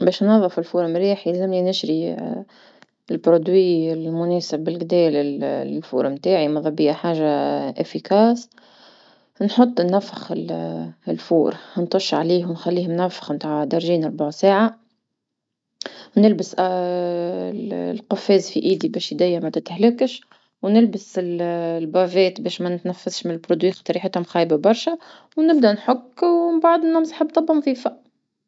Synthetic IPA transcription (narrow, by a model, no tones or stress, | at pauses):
bɛːʃnɑðˤːɨfɪlfuːɾmɾiːħizɪmlinɪʃɾi | ɪlbɾod̪wiɪlmʊnɛːsɪbːɪlɡd̪ɛːlɪllfṵːɾmt̪aːʕimɑðˤɑbijːaħaːʒaʔɪfːikæːs | nħot̪ˤːnːæfːɪxɪllfuːɾhnt̪ˤʊʃːʕaliːɦwnxælːiːhmnæfːɪ̥xmt̪aːʕd̪ɑɾˤʒiːnɑɾˤbaʕsaːʕa | nɪlbəsʔ | lqʊfːɛːzfiʔiːd̪ibɛːʃjd̪æjːæmæt̪ɪt̪hlɪkʃ | wnɪlbəsɪllbɑvɛːt̪bɛːʃmænɪt̪næfːasʃmɪnɪlbɾod̪wiːxt̪ˤɑɾiːħɪt̪hʊmxɑːjbabɑɾˤʃɛ | wnɪb̚d̪ænħʊkːwmbaʕd̪ˤmnʊmsħəbːt̪ˤɑbhʊmθiːfaʔ